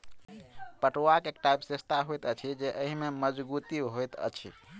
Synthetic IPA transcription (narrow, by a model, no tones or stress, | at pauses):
pəʈoakekʈaipsest̪ʰaɦojt̪ət͡ʃʰid͡ʒeʔəɦimeməd͡ʒbut̪iɦojt̪ə̰t͡ʃʰḭ